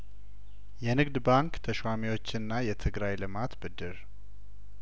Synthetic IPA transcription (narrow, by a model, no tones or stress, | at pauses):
jɛnɨɡd̪baŋkt̪ʰəʃwamiwot͡ʃːɪnːajɛt̪ʰɨɡɾajlɨmat̪bɨd̪ːɨɾ